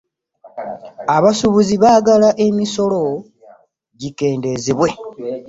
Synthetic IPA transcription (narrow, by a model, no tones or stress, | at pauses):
aβasuβuziβaːɡalaʔemiso̞lo̞ | ɟike̞ːnde̞ziβwe̞